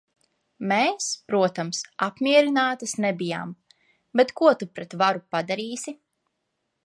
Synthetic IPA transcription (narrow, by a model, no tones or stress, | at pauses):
meːspɾuɔt̪amsapmʲiɛɾinaːt̪asnɛbija̰ːm | bɛt̪kuɔt̪upɾɛt̪vaɾupad̪aɾiːsi